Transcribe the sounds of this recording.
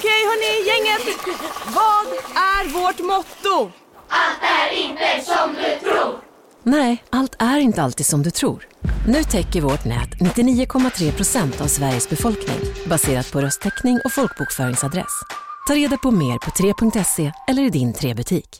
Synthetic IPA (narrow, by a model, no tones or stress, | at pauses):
kʰɛjhœɳɪjɛŋːət̪vɑːd̪æɾvɔʈmɔt̪ːʊ | alt̪̚d̪ɛæɾɪnt̪əsɔmd̪ɵt̪ʰɾuːɾ | nɛɪʔalt̪ʰæɾɪnt̪əalt̪iːd̪sɔmd̪ɵt̪ʰɾṵːɾnʉ̟ːt̪ʰɛkːəɾvɔʈnɛ̰ːt̪nɪt̪ːɪniːʊkʰɔmːat̪ʰɾeːpʰɾʊsɛnt̪avsvæɾjəsbɛfɔlknɪ̰ŋbaseːɾat̪̚pʰɔɾœst̪ʰɛknɪŋʔɔfɔlk̚buːkfœːɾɪŋsad̪ɾɛ̰st̪ʰɑːɾeːd̪apʰɔmeːɾpʰɔt̪ʰɾeːpʰɵŋk̚t̪ɛseːɛlːəɾɪd̪ɪnt̪ʰɾeːbɵt̪ʰiːk